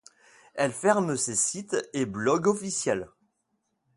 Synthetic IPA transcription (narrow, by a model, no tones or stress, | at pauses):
ɛlfɛʁməsesit̪eblɔɡɔfisjɛl